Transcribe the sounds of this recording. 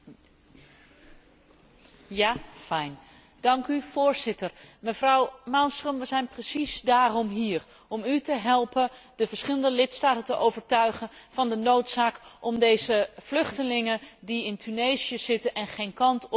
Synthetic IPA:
jaːfɛjn | d̥ɑŋkyv̥ʊːɹzɪtəɹməvrɑwmɑlstrəmʋəzɛjnprəsisdaːrɔmɦiːɹ | ɔmytəɦɛlˠpənd̥əvəɹsχɪlˠəndəlɪtstaːtəntəʔowvəɹtœɥχənvɑndənowtsaːkʔɔmdejzəv̥lɵχtəlɪŋəndiɪntʰynejzijəz̥ɪtənʔɛnχejnkɑnt

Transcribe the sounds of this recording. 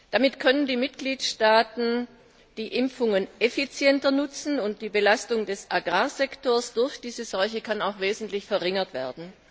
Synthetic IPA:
d̥amɪtkʰœnəndiːmɪtɡ̥liːtʃtaːtn̩ | d̥iːʔɪmfʊŋənʔefit͡sjɛntɐnʊt͡sn̩ʊnt̚d̥iːbəlastʊŋdɛsʔaɡʁaːzɛktoːɐsd̥ʊɐçd̥iːzəz̥ɔlçəkʰanaʊxv̥eːzn̩tlɪçfɛɐʁɪŋɐtv̥ɛ̰ːɐdn̩

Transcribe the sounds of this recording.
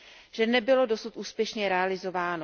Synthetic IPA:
ʒ̥ɛnɛbɪlo̞do̞sut̪ʔuːspjɛʃɲɛɾɛalɪzo̞vaːno

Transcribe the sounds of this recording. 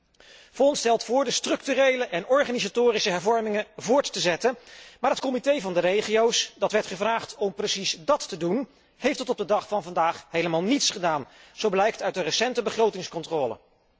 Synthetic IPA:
fɔnstɛlˠtfʊːɹdəstrɵk̚tyrejləʔɛnɔɹχaːnizatʊːrisəɦɛɹvɔɹmɪŋəvʊːɹtːəzɛtənmaːɹɦətkɔmitejvɑndərejχiowsdɑtʋɛɹtχəvraːχtɔmprəsisdɑtːədun | hejftətɔb̚dədɑχfɑnvɑndaːχɦejləmaːlˠnitsχədaːnz̥owblɛjk̚tœɥtdərəsɛntəbəχrowtɪŋskɔntrɔːlə̰

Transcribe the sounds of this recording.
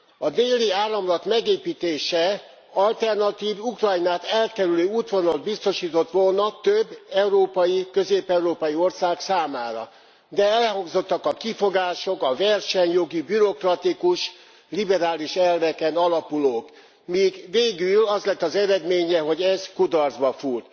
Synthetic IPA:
ɒd̪eːlːiaːrːɒmlɒt̪mɛɡeːpiːt̪eːʃɛ | ɒlt̪ɛrnɒt̪iːvukrɒjnaːt̪ɛlkɛɾyløːuːt̪ʋo̞nol̚bist̪o̞ʃiːt̪o̞t̪ʋo̞lnɒt̪øbːɛuɾoːpɒjikøzeːpɛuɾoːpɒjio̞rsaːksaːmaːɾɒ̰ | d̪ɛɛlhɒŋɡzo̞t̪ːɒkɒkifo̞ɡaːʃo̞kɒvɛrʃɛɲjo̞ɡibyɾo̞krɒt̪ikuʃ | libɛɾaːliʃɛlvɛkɛnɒlɒpuloːk | miɡveːɡylɒzlɛt̪ːɒzɛɾɛd̪meːɲɛɦo̞ɟɛzkud̪ɒrzbɒfurt̪

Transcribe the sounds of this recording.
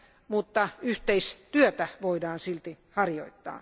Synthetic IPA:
mut̪ːɑyht̪eist̪yøt̪æʋoidɑːnsilt̪i | hɑrjo̰it̪ːɑ̰ː

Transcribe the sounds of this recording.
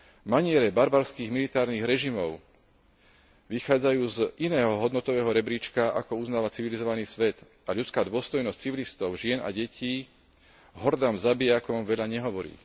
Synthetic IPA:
maɲɪɛɾɛbaɾbaɾskiːɣmilit̪aːɾniɣɾɛʒimɔʊ | ʋixaːd͡zajuːzʔinɛːɦɔɦɔd̪nɔt̪ɔʋɛːɦɔɾɛbɾit͡ʃkaʔa̰kɔuznaːʋat͡siʋilizɔʋaniːsʋɛt̪ | aʎut͡skaːd̪ʊɔst̪ɔjnɔsc̚t͡siʋilist̪ɔʊʒɪɛna̰ɟɛciː | ɦɔɾd̪amzabijakɔmʋɛʎaɲɛɦɔʋɔɾḭː

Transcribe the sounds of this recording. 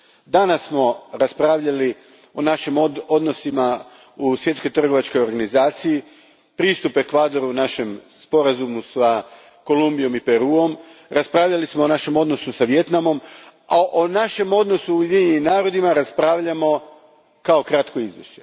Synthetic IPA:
d̪anasːmo̞ɾaspɾaːʋʎali | o̞naʃimoo̞d̪no̞sima | usʋje̞t̪sko̞jt̪r̩ɡo̞ʋat͡ʃko̞jo̞ɾɡanizaːt̪siji | pɾiːst̪upe̞kʋaːd̪oɾunaʃe̞m | spo̞ɾazumusa | ko̞lumbijo̞mipe̞ɾuːo̞mɾaspɾaːʋʎalismo̞ːnaʃe̞mo̞d̪nosusaʋjet̪namo̞maʔonaʃe̞mo̞d̪no̞suujed̪iɲenimnaːɾo̞d̪imaɾaspɾaːʋʎamo̞ | kao̞kɾat̪ko̞izʋḭʃe

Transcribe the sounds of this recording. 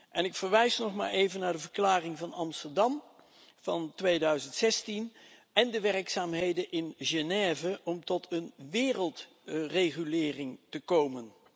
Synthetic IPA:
ʔɛnɪkfəɹʋɛjsnɔχma̰ːɹejvənaːɹdəvəɹklaːrɪŋvɑnɑmstəɹdɑm | v̥ɑntʋejdœɥzəntsɛstin | ɛndəʋɛrksaːmɦejdənʔɪnʒenɛːvəʔɔmtɔtʰənʋɪːrəlˠt | rejχylɪːrɪŋtəkowmən

